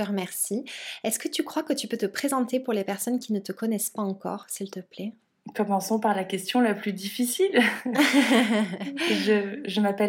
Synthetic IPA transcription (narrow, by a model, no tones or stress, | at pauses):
əʁmɛʁsiɛskət̪ykχwakət̪ypøt̪əpχezɑ̃t̪epuʁlepɛʁsɔnkʲinət̪əkɔnɛspaɑ̃kɔ̰ːʁsilt̪əplɛ | kɔmɑ̃sɔ̃paʁlakʲɛst̪jɔ̃laplyd̪ifisil | ʒəʒəmapɛ